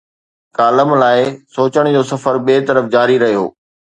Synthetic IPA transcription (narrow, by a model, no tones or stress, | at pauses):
kaːləmlaːɪsoːt͡ɕəɽ̃d͡ʑoːsɐfəɾɓeːt̪ɐɾəfd͡ʑaːɾiɾɐɦijo̰ː